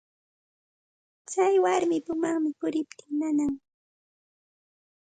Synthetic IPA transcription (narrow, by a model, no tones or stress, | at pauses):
t͡sajwaɾmɪpʊmaŋmɪpʊɾɪp̚t̪ɪŋnanaŋ